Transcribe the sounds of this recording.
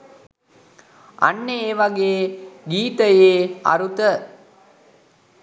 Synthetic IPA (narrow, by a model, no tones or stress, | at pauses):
a̰nːeeːʋaɡeːɡiːt̪əjeːa̰ɾut̪ə